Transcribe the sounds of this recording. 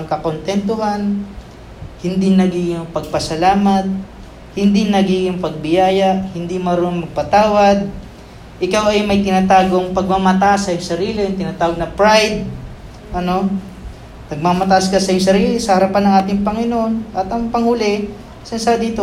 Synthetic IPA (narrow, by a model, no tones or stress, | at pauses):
ɐŋkɐkont̪ɛnt̪ohan | hɪnd̪inɐɡiːɡɪŋpɐɡ̚pɐsɐlaːmɐt̪̚ | hɪnd̪iŋnɐɡiːɡɪŋpɐɡ̚bɪjaːjɐʔhɪnd̪imɐɾonɐŋmɐɡ̚pɐt̪aːwɐd̪̚ | ʔɪkawɐjmɐjt̪ɪnaːt̪aːɡoŋpɐɡ̚mamɐt̪asɐjʊŋsɐɾiːlɪjʊŋt̪ɪnaːt̪aːwɐɡ̚nɐpɹajd̪̚ | ʔɐno̞ | nɐɡ̚mamɐt̪aʔskɐsɐjʊŋsɐɾiːlɪsɐhɐɾɐpanːɐŋʔaːt̪ɪŋpɐŋɪnoʔonʔɐt̪ɐŋpɐŋhʊlɛ | sɐnsad̪iːt̪o